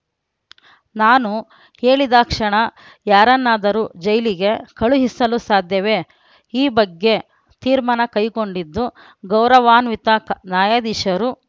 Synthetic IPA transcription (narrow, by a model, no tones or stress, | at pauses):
naːnu | he̞ːɭid̪aːkʂɐɳɐ | jaːɾɐnːaːd̪ɐɾuːd͡ʒɐjliɡe̞kɐɭuɦisɐlusaːd̪ʱjɐʋe̞ː | iːbɐɡːe̞ | t̪iːɾmanɐkɐjko̞ɳɖid̪ːu | ɡɐwɾɐʋaːnʋit̪aknaːjad̪iʃɐɾu